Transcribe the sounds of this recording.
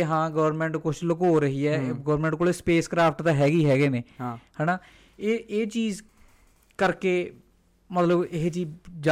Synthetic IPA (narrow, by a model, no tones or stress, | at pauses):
ɦãːɡəʋɾmɛ̃ɳʈkʊt͡ʃʰləkɦoːɾəɦiːɛːɡəʋɾmɛ̃ːɳʈkoːlespeːskɾaːpʰʈt̪aːɦɛːɡiːɦɛːɡeːneːhɛːnaː | eːeːt͡ʃiːz | kəɾkeː | mət̪ləbɪɦt͡ʃiːd͡ʒa